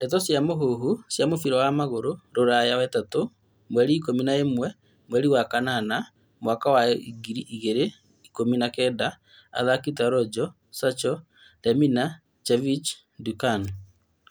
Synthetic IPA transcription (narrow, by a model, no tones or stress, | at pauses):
etɔsjamoɦoɦusjamofiɾɔwamaɣoɾoɾoɾajawatato | mwɛɾiːkominaemwɛ | mwɛɾiwakanana | mwakawaiɡiɾiʔiɣeɾe | ikominakɛda | a̰ðakit̬aɾɔd͡ʒɔ | sat͡ʃɔ | dɛmina | t͡ʃɛvit͡ʃ | dukan